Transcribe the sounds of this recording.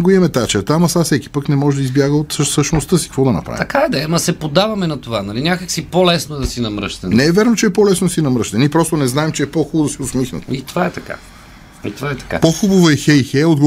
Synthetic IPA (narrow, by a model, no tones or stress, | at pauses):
ɡoɛmɛt̪at͡ʃɛɾt̪amɐsasɛki̥pəknɛmɔʒɛd̪ɐizbjaɡəot̪səʃnost̪əsi̥kɐkvɔd̪ɐnɐ̰pɾa̰vt̪ɐkaɛd̪ɛmɐsɛpod̪avɐmɛnɐt̪ovanɐlinʲakəksipolɛsnoɛd̪ɐsinɐmɾəʃt̪ɛnɛɛvʲɛɾnot͡ʃɛɛpɔlɛsnod̪sinɐmɾɤʃt̪ɐnipɾɔst̪onɛznaɛmt͡ʃɛɛpɔxubod̪ɐsiʊsmixnə̰t̪it̪ovaɛt̪ɐka̰ | it̪ovaɛt̪ɐ̥ka̰poxubəvəɛxɛjxɛjod̪ɡ